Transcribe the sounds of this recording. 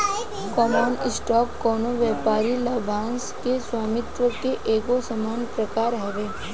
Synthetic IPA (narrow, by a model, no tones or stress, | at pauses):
kɔːmaːnɪsʈaːkːɔːnoʋjɛːpaːɾilɐbʱãːnskeswaːmɪt̪ʋəkeʔeːkosəmaːnpɾəkaːɾɦɛʋeː